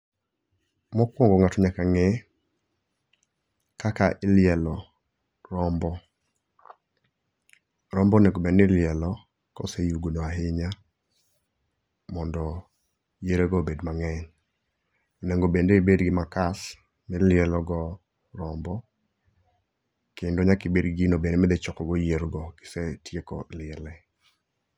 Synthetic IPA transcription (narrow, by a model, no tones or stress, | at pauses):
mɔkwɔŋɡɔŋatɔɲakaŋɛ | kakaʔɪlɪɛlɔ | ɾɔmbɔ | ɾɔmbɔnɛɡobɛnɪlɪɛlɔ | kɔ̰sejuɡonoaɦɪɲa | mɔndɔ | jeɾeɡɔbedmaŋɛɲ | onɛŋɡobendeibedɡɪmakas | mɪlɪɛlɔɡɔ | ɾɔmbɔ | kendoɲakibedɡinobendemɛd̪ɛt͡ʃɔkɔɡɔjeɾɡɔkɪ̥sɛtjekɔ̰lɪɛlɛ